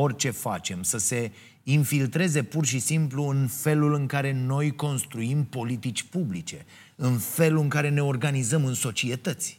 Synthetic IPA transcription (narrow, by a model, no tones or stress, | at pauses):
o̞rʲt͡ʃe̞fa̰t͡ʃe̞msəse̞ | infilt̪ɾe̞ze̞purʃisimpluɨnfe̞lulɨŋkaɾe̞no̞jko̞nst̪ɾuimpo̞lit̪it͡ʃʲpublit͡ʃe̞ | ɨnfe̞lɨŋkaɾe̞ne̞o̞rɡanizəmɨnso̞t͡ʃie̞t̪ət̪sʲ